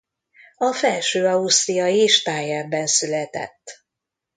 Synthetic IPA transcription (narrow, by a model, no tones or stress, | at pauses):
ɒfɛlʃøːɒust̪rijɒjeːʃt̪aːjɛbːɛnsylɛt̪ɛ̰t̪ː